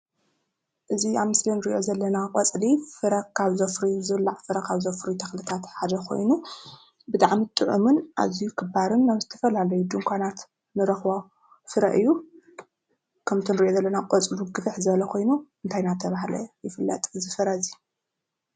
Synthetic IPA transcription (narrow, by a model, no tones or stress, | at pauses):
ʔɨziaβmɨslinɨɾiʔo̞zɐlːɐnakʼɐt͡sʼlifɨɾɐkʰaβzofɾizɨβɨlːaʕfɨɾɐkʰaβzofɾit̪ʰɐxlɨt̪ʰat̪ħad̪ɐkʰo̞̰jnu | bɨt̪ʼaʕmit̪ʼɨʕṵmɨnʔa̰zijukʰɨbaɾɨnːaβzɨt̪ʰɐ̥fɐlalɐjud̪ɨŋkʷʰanat̪ | nɨɾɐxβa | fɨɾɐ̰ʔɨjːu | kʰɐmt̪ʰɨnɨɾiʔo̞zɐlːɐnaqʼot͡sʼluɡɨfɨħzɨβɐlɐkʰo̞jnuʔɨnt̪ʰajnat̪ʰɐβaɦlɐ̰jɪfɨlːɐ̰t̪ʼzɨfɨɾɐzi